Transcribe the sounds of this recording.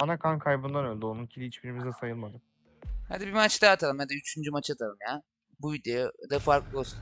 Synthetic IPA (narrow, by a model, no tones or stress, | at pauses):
anakʰankʰajbɯnd̪anø̞lʲd̪ionuncʰid̪ʲiit͡ʃbiɾimizd̪ɛsajɯlˠmad̪ɯm | ha̰d̪ibimat͡ʃd̪aːt̪ʰalˠɯmjad̪ayt͡ʃʰynd͡ʒymat͡ʃat̪ʰalˠɯmja | bujd̪id̪afaɾklˠɯos